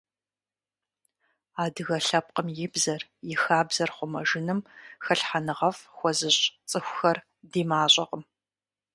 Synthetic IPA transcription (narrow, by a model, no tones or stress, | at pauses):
aːdɨɣɐɬɐp̚qəmjɪbzɐrjɪxaːbz̥ɐrχʷʊmɐ̰ʒɪnɨmxɐɬħanɨʁɐfxʷɔzɨɕʼt͡sʼɨxʷxɐr | diːmaːɕʼɐqəm